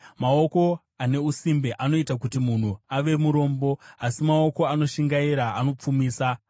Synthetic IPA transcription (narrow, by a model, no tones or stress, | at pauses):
mao̞ko̞ | ane̞usimbeʔano̞itakutimun̤uaʋe̞muɾo̞ːmbo̞asimaoko̞ano̞ʃiŋɡaiɾaːno̞p͡fumiːsa